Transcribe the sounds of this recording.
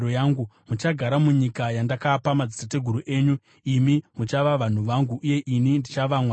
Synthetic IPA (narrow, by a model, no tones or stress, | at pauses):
ojaːŋɡumut͡ʃaɡʱaɾamuɲikajandakapamad͡zi̥tate̞ɡʱuɾuʔe̞ːɲu | imimut͡ʃaʋaʋan̤uʋaŋɡuʔːje̞ʔinindit͡ʃaʋamwa